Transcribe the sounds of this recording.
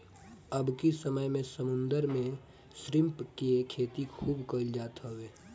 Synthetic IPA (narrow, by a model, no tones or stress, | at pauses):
əbkisəməjmẽsəmʊ̃nd̪əɾmẽ | sɾɪ̃mpkekʰeːt̪ikʰuːbkəld͡ʒaːt̪ɦoweː